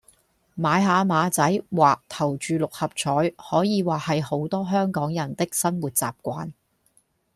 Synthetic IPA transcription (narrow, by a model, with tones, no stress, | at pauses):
maː˨˧jɦaː˨˧maː˨˧t͡sɐ˨˥jwaː˨k̚t̪ʰɐ˨˩wt͡ʃyː˨lʊ˨k̚hɐ˨p̚t͡ʃʰɔː˨˥jhɔː˨˥jiː˨˧waː˨˩hɐ˨jho˨˥wt̪ɔː˥ɦœː˥ŋkɔː˨˥ŋjɐ˨˩nt̪ɪ˥k̚sɐ˥nwuː˨˩t̚t͡sa̰ː˨p̚kʷaː˧˥n